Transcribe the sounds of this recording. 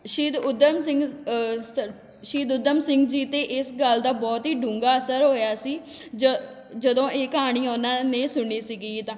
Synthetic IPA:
ʃiːd̪ʊd̪əmsɪŋɡs | ʃiːd̪ʊd̪əmsɪ̃ŋɡd͡ʒiːt̪eːʔɪsɡəld̪aːbɔːt̪ɦiːɖũːŋɡaːəsəɾɦoːjaːsiːd͡ʒ | d͡ʒəd̪õːekːɦaːɽ̃iːonãːneːsʊɳiːsiɡiːt̪ãː

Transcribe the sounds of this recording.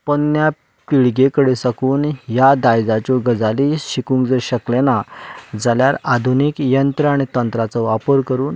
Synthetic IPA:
pənːja | piɭɡekəɽesakuːnjad̪ajd͡zat͡ɕɔɡəd͡zaliɕikũŋkd͡zəɾɕəklenad͡zaljaɾad̪ʱunikjənt̪ɾəaɽ̃it̪ənt̪ɾat͡sɔʋapəɾkəɾuːn

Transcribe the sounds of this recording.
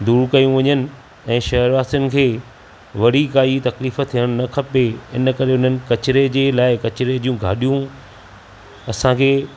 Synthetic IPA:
d̪uːɾkɐjũʋɐɲənɪ̆ | ɛ̃ːʃɐɦəɾʋaːst̪ʊnɪ̆kʰeː | ʋɐɽ̤ikaːit̪ɐkliːfə̆t̪ʰijəɽ̃nɐkʰɐpeɪn̆kɐɾeʊn̤ənɪ̆kɐt͡ɕɪɾed͡ʑeːlaːɪkɐt͡ɕɾed͡ʑiːjũɡʱa̰ːɗijũ | ɐsãkʰeː

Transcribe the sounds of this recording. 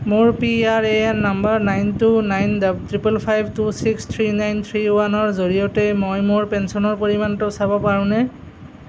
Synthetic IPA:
mʊɹpiaɹeɛnːambaɹnajntunajndabtɹipɛlpʰajbʱtusikst̪ʰɹinajnt̪ʰɹiwanɔɹzoɹijɔtɛmojmʊɹpɛnsɔnɔɹpoɹimantʊsabɔpaɹʊ̃nɛ

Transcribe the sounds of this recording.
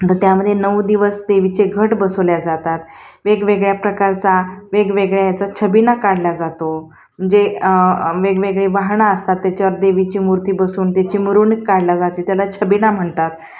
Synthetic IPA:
t̪əɾt̪jaməd̪ʱːjenəwd̪iʋəsd̪eʋit͡seɡʱəʈbəsʋljad͡zat̪at̪ | ʋeɡʋeɡɭjapɾəkaɾt͡saʋeɡʋeɡɭjajat͡sat͡ɕʰəbinakaɽlad͡zat̪o | m̤əɳd͡ze | ʋeɡʋeɡɭeʋaɦɳaəst̪at̪ːjat͡ɕaʋəɾd̪eʋit͡ɕiːmuɾt̪iːbəsuːnt̪jat͡ɕiːməɾuːnkaɽlad͡zat̪it̪jalat͡ɕʰəbinam̤əɳt̪at̪

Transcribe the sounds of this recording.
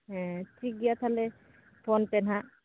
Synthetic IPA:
t͡ʃiɡijat̪ʰalɛ | pʰɔnpɛna

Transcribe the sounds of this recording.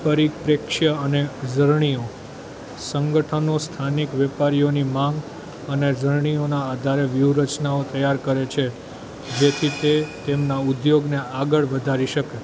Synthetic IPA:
pəɾikpɾekʃəəned͡ʒəɾɳ̃io | səŋɡəʈʰənost̪ʰanikʋɛpaɾijonimãŋɡ | əned͡ʒəɾɳ̃ionaːd̪ʱaɾeʋjuɾət͡ʃnaot̪əjaɾkəɾet͡ʃʰe | d͡ʒet̪ʰit̪et̪emnaud̪joɡneaɡəɭʋəd̪ʱaɾiʃəke

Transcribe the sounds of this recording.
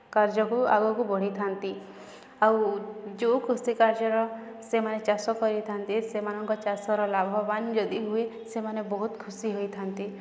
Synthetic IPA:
kaɾd͡ʒɔkua̰ɡɔkubɔɽ̤it̪ʰant̪i | awd͡ʒokʰusikaɾd͡ʒɔɾɔ | semanet͡ʃasɔkɔɾit̪ʰant̪isemanɔŋkɔt͡ʃasɔɾɔlabʱɔband͡ʒɔd̪iɦuesemanebɔɦut̪kʰusiɦojt̪ʰant̪i

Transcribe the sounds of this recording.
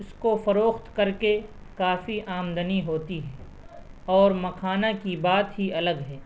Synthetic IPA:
ʊskofɐɾoːxt̪kɐɾke | kaːfiʔaːmd̪əniɦoːt̪iɦɛː | ɔːɾmɐkʰaːnakibaːt̪ɦiɐləɡɦɛː

